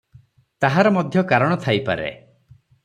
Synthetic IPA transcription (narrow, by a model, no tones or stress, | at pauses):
t̪aɦaɾɔmɔd̪ʱjɔkaɾɔɽ̃ɔt̪ʰajpa̰ɾḛ